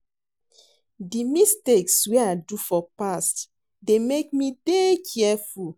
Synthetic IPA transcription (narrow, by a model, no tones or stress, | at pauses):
dimisteksweaɪdufɔpast | demekmidekʰiɛful